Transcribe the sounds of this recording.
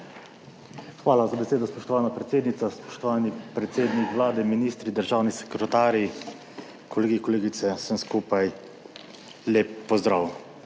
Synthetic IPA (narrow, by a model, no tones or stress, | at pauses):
xʋaːlazabɛseːd̪ɔspɔʃt̪ɔʋaːnapɾɛt̪seːd̪nit̪saspɔ̥ʃt̪ɔʋaːnipɾɛt̪seːd̪nikʋlaːd̪ɛminiːst̪ɾid̪əɾʒaːwnisɛ̥kɾɛt̪aːɾi | kʰɔleɡikɔleːɡit̪sɛsəmskupaj | leːpːɔzd̪ɾaw